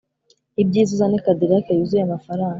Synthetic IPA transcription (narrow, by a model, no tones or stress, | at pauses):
ib̚ɟiːzuzanekadiɾakajuzujamafaɾaːŋɡa